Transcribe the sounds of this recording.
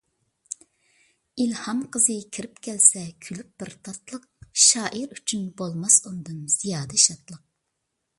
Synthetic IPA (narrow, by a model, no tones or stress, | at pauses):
ilhɑmqʰəzɨkʲʰiɾɪpkʲʰɛlsɛkʲʰylyp̚b̥ɪɾt̪ʰɑt̪lˠəq̚ʃɑːʔəɾyt͡ʃʰynbolˠmɑsund̪ɨnz̥ijɑːd̪ɛʃɑt̪lˠəq̚